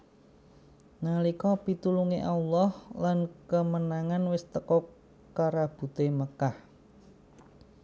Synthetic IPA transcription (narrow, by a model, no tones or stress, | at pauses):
nalikɔpit̪uluŋeʔalɔhlankəmənaŋanwɪst̪əkɔ | kaɾab̥ṳt̪eməkah